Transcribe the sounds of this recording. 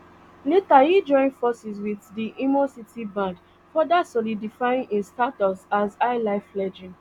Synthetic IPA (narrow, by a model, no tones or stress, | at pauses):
letajid͡ʒɔ̃ɪ̃nfɔsiswiθdiʔimɔsitibãnd | fɔdasɔlidifaĩnʔĩnstatɔpsazaɪlaɪflɛd͡ʒĩn